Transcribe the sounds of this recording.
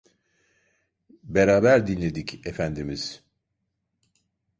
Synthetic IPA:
beɾaːbæɾd̪inlʲe̞d̪icefænd̪imiz̥

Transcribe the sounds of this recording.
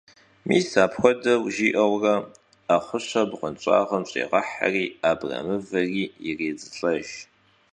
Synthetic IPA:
mʔiːsaːpxʷɔdɐwʒiːʔɐwrɐ | aχʷʊɕɐbqʷənt͡ʃʷʼa̰ːʁɐmɕʼḛːʁɐħa̰riːaːbrɐ̰mɨvɐriːjɪreːzɨɬʼɐʒ

